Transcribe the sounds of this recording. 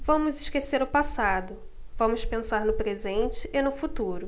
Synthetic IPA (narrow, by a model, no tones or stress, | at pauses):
vɐ̃mʊzɪʃkeseɾʊpasad̪ʊ | vɐ̃mʊspẽsaɾnʊpɾezẽnt͡ʃɪʔːnʊfut̪uɾʊ